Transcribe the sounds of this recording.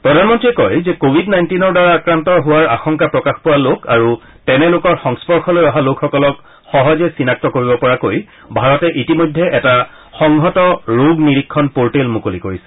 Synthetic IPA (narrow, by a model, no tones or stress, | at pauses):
pɹɔdʱanmɔntɹiɛkɔjzɛkobʱidnajntinɔɹdaɹaːkɹantɔɦʊwaɹa̰xɔŋkapɹɔkaxpʊwalokaɹu | tɛnɛlokɔɹxɔŋspɔɹxɔlojɔɦalokxɔkɔlɔk | xɔɦɔzɛsinak̚tɔkoɹibɔpɔɹakoj | bʱaɹɔtɛʔitimojdʱːɛʔɛta | xɔŋɦɔtɔɹoɡniɹikʰːɔnpoɹʈelmukolikoɹisɛ̥